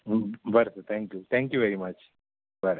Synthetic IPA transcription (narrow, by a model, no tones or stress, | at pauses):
bəɾsəɾt̪ʰæ̃ŋkjut̪ʰæ̃ŋkjuʋeɾimɐt͡ʃ | bəɾ